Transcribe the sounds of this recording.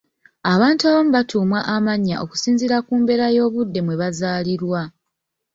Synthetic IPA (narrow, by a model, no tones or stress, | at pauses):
aβaːntuaːβomuβatʰuːmwaʔamaɲːa̰ʔo̞ku̥siːnziɾakuːmbe̞ːɾajo̞ːβudːe̞mwe̞βazaːliɾwa